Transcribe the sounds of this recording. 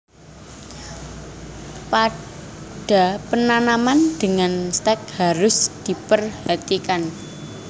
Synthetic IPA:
pa | ɖ̥a̤pənanamand̪̥əŋanst̪ɛk̚haɾʊsd̪̥i̤pərhat̪ikan

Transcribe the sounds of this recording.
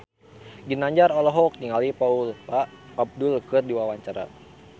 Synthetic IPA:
ɡinaɲd͡ʒaɾɔlɔɦɔk̚niŋalipaulpaː | b̚dulkɨrdiwawaɲt͡ʃaɾa̰

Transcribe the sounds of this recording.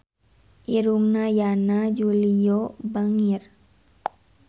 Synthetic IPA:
iɾumnajanad͡ʒulijobəŋiɾ

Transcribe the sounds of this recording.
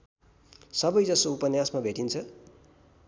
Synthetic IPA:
sʌbʌjd͡zʌsoupʌnjasmabʱeʈint͡sʰʌ

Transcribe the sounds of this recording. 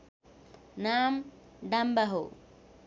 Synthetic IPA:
naːm | ɖɐmbɐɦo̰

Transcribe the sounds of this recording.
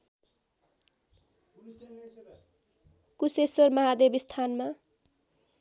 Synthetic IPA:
kusesormʌɦad̪ebist̪ʰanma

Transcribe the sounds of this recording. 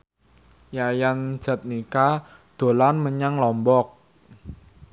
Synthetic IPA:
jajan̥d͡ʒ̥a̤t̪̚nika | d̪̥o̤lanməɲaŋlɔmbɔk̚

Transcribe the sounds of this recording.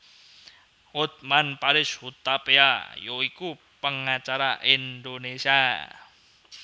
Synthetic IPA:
hot̪̚manpaɾɪshut̪apeajoiku | pəŋat͡ʃaɾaʔind̪onesia

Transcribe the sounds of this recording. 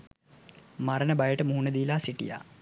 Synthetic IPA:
maɾənəbajəʈəmuɦunəd̪iːlaːsiʈḭja̰ː

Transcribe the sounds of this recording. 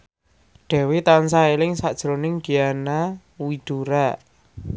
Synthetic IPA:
ɖ̥ɛ̤wet̪ansaelɪŋsad̥ʒ̥ɾonɪŋɡ̥ijana | wid̪̥uɾa

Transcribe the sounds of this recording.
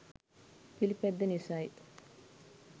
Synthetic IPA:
pilipɛd̪ːɐnisaːjit̪

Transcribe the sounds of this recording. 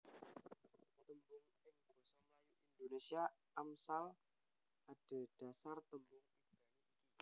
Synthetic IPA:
t̪əmbɔŋ | ɛŋbɔsamlajuʔindonesia | amsal | ad̥ad̥asart̪əmbʊŋiŋɡaju | i

